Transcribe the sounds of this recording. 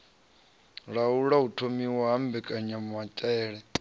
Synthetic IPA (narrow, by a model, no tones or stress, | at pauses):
ɺauɺautʰomiwaɦambɛkʼaɲamatʼɛːɺɛ